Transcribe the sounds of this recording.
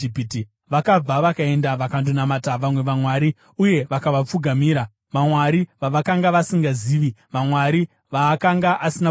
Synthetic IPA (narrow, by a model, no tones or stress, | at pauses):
ipiti | ʋakab͡vaʋakae̞ndaʋakandunamataʋamwe̞ʋamwaɾi | uje̞ʋakaʋap͡fuɡʱamiːɾa | ʋamwaɾiʋaʋakaŋɡaʋasiŋɡaziːʋiʋamwaɾi | ʋaːkaŋɡaʔasina